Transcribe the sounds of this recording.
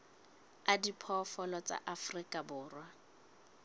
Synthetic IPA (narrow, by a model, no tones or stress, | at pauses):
adipʰɔfɔlɔt͡sʼa̰ʔafrikʼabʊːrwa